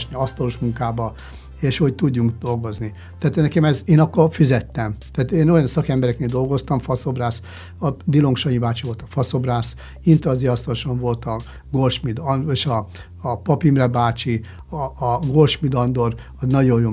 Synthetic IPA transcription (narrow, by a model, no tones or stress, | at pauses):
ʃniɒst̪ɒloʃmuŋkaːbɒ | eːʃhoct̪uɟːuŋkd̪olɡo̞zni | t̪aːt̪nɛkɛmɛzeːnɒkːorfizɛt̪ːɛmaːt̪eːno̞jɒnsɒkɛmbɛɾɛkneːld̪o̞lɡo̞st̪ɒmfɒso̞braːs | ɒd̪ilo̞ŋkʃɒɲibaːt͡ʃiʋo̞lt̪ɒ̥fɒso̞braːs | int̪ɒziɒst̪ɒloʃɒɱvo̞lt̪ɒ | ɡo̞lʃmid̪ɒneːʃɒː | pɒpimrɛbaːt͡ʃi | ɒːɡo̞lʃmid̪ɒnd̪o̞r | ɒnɒɟo̞jjo